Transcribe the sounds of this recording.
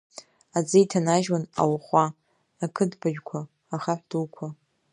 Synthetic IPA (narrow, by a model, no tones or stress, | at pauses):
ad͡zɨitʰanaʒwana̰wχʷaː | kʰɨdbaʒᶣkʷʰaː | χaħʷd̥ulkʷʰa